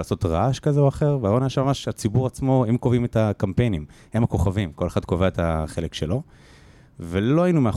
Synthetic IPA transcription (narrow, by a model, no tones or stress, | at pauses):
aːso̞t̪ʁaʃkazeoaχe̞ʁveaonaaʃemamaʃat͡sibuʁat͡smo̞imkovimetakampe̞jnimhemako̞χavimko̞le̞χad̪ko̞veaet̪aχe̞lekʃe̞lo̞ | velo̞ainumea